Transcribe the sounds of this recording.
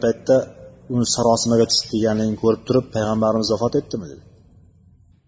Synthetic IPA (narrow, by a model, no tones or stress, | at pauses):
pʰɑjt̪ʰːɛʊnɪsaɾɑsɨmɪɡʲɛt͡ʃʰy̥ʃɪ̥k̪ʰʲɪlɡʲɛnlɪnɪkʲʰɵɾɪp̚t̪ʰʊɾɪpʰːæjʁambæɾɪmɪzɒfɑt̪et̪ʰːɪmɪd̪ɪd̪ɪ